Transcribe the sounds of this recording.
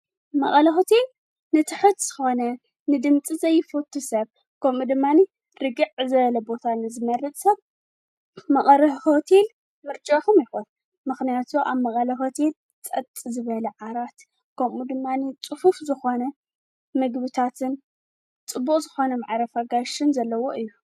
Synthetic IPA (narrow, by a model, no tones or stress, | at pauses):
mɐ̰χʼɐlɐhot̪ʰil | nɨt̪ʰɨħɨd̪z̥ɨxo̞nɐ | nɨd̪ɨmt͡sʼizɐjːɪfot̪ʰːusɐβ | kʰɐmud̪ɨmːani | ɾɨɡɨʕzɐβɐlɐbot̪ʰanɨzɨmɐɾɨt̪ʼsɐβ | mɐkʼɐɾɐhhot̪ʰil | mɨɾt͡ʃʼakumjɪxun | mɨxnijat̪ʰuʔaβmɐχʼɐlɐho̞t̪ʰel | t͡sʼɐt̪ʼizɨβɐlɐʕaɾat̪ | kʰɐmʔud̪ɨmːanit͡sʼɨfufzɨxo̞nɐ | mɨɡbɨt̪ʰat̪ʰɨn | t͡sʼɨbːukʼzɨxo̞nɐmaʕɾɐfaɡaʃɨnzɐlːɐwo̞ʔɨjːu